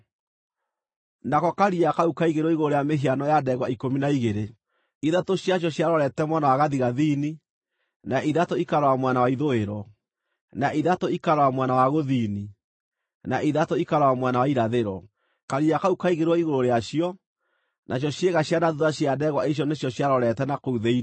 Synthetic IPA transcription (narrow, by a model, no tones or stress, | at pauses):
nakɔkaɾiakaukaiɣeɾwɔiɣoɾoɾeameɦianɔjadɛɣwaikominaiɣeɾe | iðatoɕjaɕ̬jɔɕjaɾɔɾɛtɛmwanawaɣaðiɣaðini | naʔiðatoikaɾwamwanawaiðoeɾɔ | naʔiðatoikaɾɔwamwanawaɣoðiːni | naʔiðatoikaɾɔwamwanawaiɾaðeɾwɔ | kaɾiakaukaiɣeɾwɔiɣoɾoɾeaʃiɔ | nʔaɕ̬jɔɕjeɣaɕjanaðuðaɕjadɛɣwaiɕ̬jɔneɕjɔɕjaɾɔɾɛtɛnakouðei